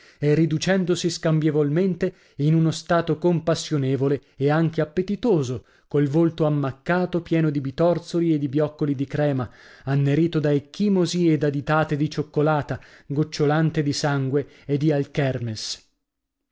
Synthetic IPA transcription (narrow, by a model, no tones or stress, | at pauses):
ɛrːid̪ut͡ʃɛnd̪osiskambjevolment̪e | inunost̪aːt̪okompasːjoneːvoleeaŋk̟eapːet̪it̪oːzo | kolvolt̪oamːakːaːt̪opjɛːnod̪ibit̪ɔrt̪solied̪ibjɔkːolid̪ikɾɛːmaanːeɾiːt̪od̪aekːimozied̪ad̪it̪aːt̪ed̪it͡ʃokːolaːt̪aɡot͡ʃːolant̪ed̪isaŋɡwe | ed̪ːialkɛrmes